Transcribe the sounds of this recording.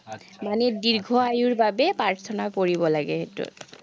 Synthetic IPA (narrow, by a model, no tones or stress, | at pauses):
manɛdiɹɡʱɔajuɹbabɛpaɹt̪ʰɔnakoɹibɔlaɡɛɦetʊ̰t